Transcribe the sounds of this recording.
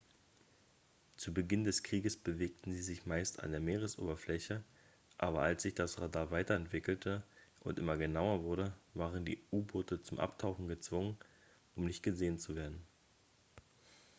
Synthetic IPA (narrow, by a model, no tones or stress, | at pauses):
t͡subəɡɪndɛskʁ̥iːɡəsb̥əveːk̚tn̩ziːzɪçmaɪsta̰ndeːɐmeːʁəsʔo̰ːbɐflɛçə | ʔaːbɐʔalsz̥ɪçd̥asʁadaːvaɪtɐɛntv̥ɪkl̩tʰəʔʊ̰ntʔɪmɐɡənaʊɐvʊɐɾəvaːʁəndḭːʔuːboːtət͡sʊmʔa̰ptʰaʊxŋ̩ɡət͡sv̥ʊŋən | ʔʊmnɪçt̚ɡ̥əzeːənt͡suveːɐdn̩